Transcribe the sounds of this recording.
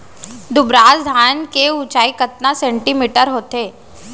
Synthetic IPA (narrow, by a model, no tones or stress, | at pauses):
d̪ʊbɾaːzd̪ʱaːnkeut͡ʃaːikət̪̚nasẽɳʈimiːʈəɾɦoːt̪eː